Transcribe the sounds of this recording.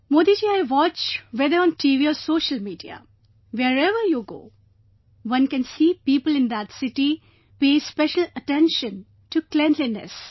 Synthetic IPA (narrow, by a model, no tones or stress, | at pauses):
moːd̪id͡ʒiːaɪʋɔt͡ʃʋɛd̪əɾɔ̃ːnʈiʋiɔsoːʃəlmiːɖia̰ | ʋeɾɛʋəɾjuɡo̰ː | ʋʌ̃nkɛ̃nsiːpiːpəlɪ̃nd̪æʈsɪʈi | peːspɛʃələʈɛ̃nʃə̃n | ʈuklɛ̃nlinɛ̰s